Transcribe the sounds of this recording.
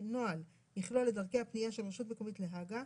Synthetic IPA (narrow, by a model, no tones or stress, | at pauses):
noal | jiχlolːe̞daʁke̞jhapnijaʃelʃutme̞ko̞mitleɦaɡa